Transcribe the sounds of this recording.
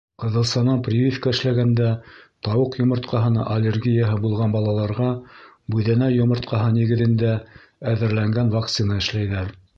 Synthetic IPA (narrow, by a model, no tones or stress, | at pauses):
qɤ̆ðɤlˠsɑnɑnprʲivʲifkɑɘ̆ʃlæɡænd̪æt̪ɑwɤqjŏmɤ̆ɾt̪̚qʰɑɦɤ̆nɑ̰ʔɐlʲerɡʲijaɦɤbulˠʁɑnbɑlˠɑlˠɑɾʁɑ | bʉðænæjŏmɤ̆ɾt̪̚qɑɦɤniɡɘ̆ðɘ̆nd̪æ | æðɘ̆ɾlæŋɡænvɑkt̪sinɑɘ̆ʃlæjðæɾ